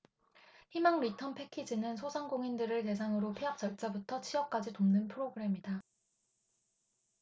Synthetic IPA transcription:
himaŋɾitʰʌnpʰe̞kʰid͡ʑinɯnsʰosʰaŋɡoŋindɯɾɯɭte̞s̬ʰaŋɯɾopʰiap̚t͡ɕ͈ʌɭt͡ɕ͈abutʰʌt͡ɕʰiʌp̚k͈ad͡ʑitomnɯnpʰɯɾoɡɯɾe̞mida

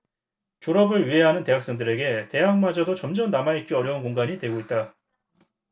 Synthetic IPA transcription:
t͡ɕoɾʌbɯɾɥiɦe̞ɦanɯnte̞ɦak̚s͈ʌŋdɯɾe̞ɡe̞te̞jaŋmad͡ʑadot͡ɕʌmd͡ʑʌmnːamait̚k͈iʌɾjʌunkoŋɡaɲidwe̞ɡoit̚t͈a

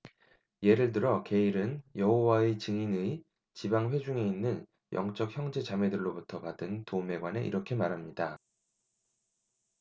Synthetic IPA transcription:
je̞ɾɯɭtɯɾʌke̞iɾɯnjʌɦowaet͡ɕɯŋinɯi | t͡ɕibaŋɸwe̞d͡ʑuŋe̞inːɯn | jʌŋt͡ɕ͈ʌk̚çjʌŋd͡ʑe̞t͡ɕame̞dɯɭːobutʰʌpadɯntome̞ɡwane̞̰ʔḭɾʌkʰe̞maɾɦamɲida

